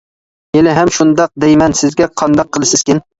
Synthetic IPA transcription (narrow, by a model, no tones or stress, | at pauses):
elɪɦamʃʊnd̪ɑq̚d̪ejmænsɪzɡʲɛqʰɑnd̪ɑqʰːɨlˠɪsɪz̥kʲɪn